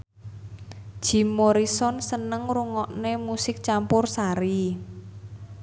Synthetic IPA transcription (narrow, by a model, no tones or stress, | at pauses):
d̥ʒ̥i̤moɾisɔnsənəŋruŋɔʔnemusɪk̚t͡ʃampʊrsaɾi